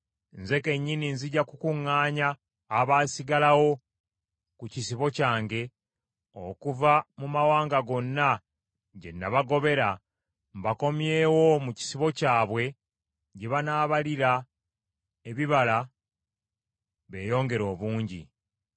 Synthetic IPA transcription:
nze̞ke̞ɲːininziɟakukuŋːaːɲaː | βaːsiɡalawo̞ | kucisiβo̞caːŋɡe̞ | o̰kuvamumawaːŋɡaɡo̞nːa | ɟe̞̰nːaβaɡo̞βe̞ɾa | mbako̞mjeːwo̞muci̥siβo̞caːβwe̞ | ɟeβanaːβaliɾa | eβiβala | βe̞ːjo̞ːŋɡe̞ɾo̞ːβuːɲɟḭ

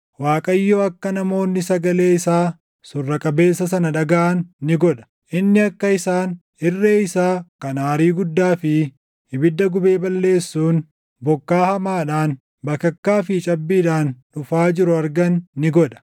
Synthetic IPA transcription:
waːkʼɐɪjːoːɐkːɐnɐmo̞ːnːɪsɐɡɐle̞ːɪsaː | sʊrːɐkʼɐbe̞ːsːɐs̬ɐnɐᶑɐɡɐʔɐnːɪɡɔᶑɐ̥ | ʔɪnːɪɐkːɐɪsaːn | ɪrːeːɪsaːkɐnaːɾiːɡʊd̪ːaːfɪ | hɪbɪd̪ːɐɡʊbe̞ːbɐlːe̞ːsːuːn | bɔkːaːhɐmaːᶑaːn | bɐkːɐkːaːfɪt͡ʃʼɐbːiːᶑaːnᶑʊfaːd͡ʒɪɾʊɐɾɡɐnːɪɡɔᶑɐ̥

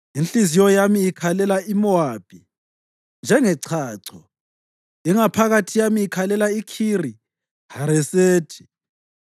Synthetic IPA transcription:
inɬizijɔjamiːkʰalɛlaimɔwaːpʰʼi | nd͡ʒʱɛŋɛǀʰaːǀʰɔ | iŋapʰaɣatʰijamiːkʰalɛlaikʰiri | haɾɛseːtʰi̥

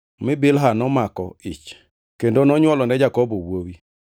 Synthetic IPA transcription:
mɪbɪlɦanɔmakɔ̰ɪ̰t͡ʃ | kendonɔɲwɔlɔnɛd͡ʒakɔbowowi

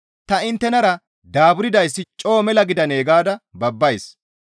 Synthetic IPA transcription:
t̪ɐɪnt̪ːɛnɐɾɐ | d̪aːbʊɾɪd̪ɐjsːɪt͡ʃʼo̞ːmɛlɐɡɪd̪ɐne̞ːɡaːd̪ɐbɐbːɐjs

